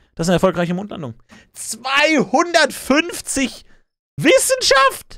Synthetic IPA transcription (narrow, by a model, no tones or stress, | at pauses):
d̥asanəɛɐfɔlkʁaɪçəmoːntla̰ndʊŋ | t͡sv̥aɪhʊndɐtfʏnft͡sɪç | vɪsn̩ʃaft